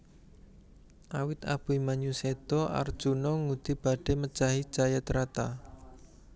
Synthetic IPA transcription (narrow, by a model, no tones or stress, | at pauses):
ʔawɪt̪a̰b̥uimaɲused̪̥ɔʔa̰rd̥ʒ̥unɔŋud̪̥i̤b̥a̤ɖ̥emə̥t͡ʃaɦi̥d͡ʒajat̪ɾat̪a